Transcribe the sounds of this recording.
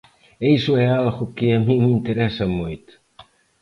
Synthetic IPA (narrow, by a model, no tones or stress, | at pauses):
ejsʊɛalɣʊkɪɐmĩmint̪eɾɛsɐmojt̪